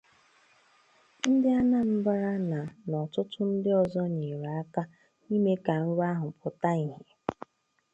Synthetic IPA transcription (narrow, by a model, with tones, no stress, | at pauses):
n̩˦dɪ˦a˦na˦m̩˦ba˦ɾa˦na˨nɔ˨tʊ˦tʊ˦n̩˦dɪ˦ɔ˨zɔ˦ɲe˨ɾa˨a˦ka˦ | ni˦me˦ka˨n̩˦ɾa˦ɦʊ˨pʊ˨ta˦i˨ɦe˨